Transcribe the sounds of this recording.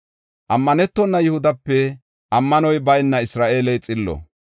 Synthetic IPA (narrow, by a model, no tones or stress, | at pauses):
ʔɐmːɐnɛt̪ːɔnːɐjɪhʊd̪ɐpːɛ | ʔɐmːɐnɔjbɐjnːɐɪsɾaːʔeːlɛjt͡sʼɪlːɔ̰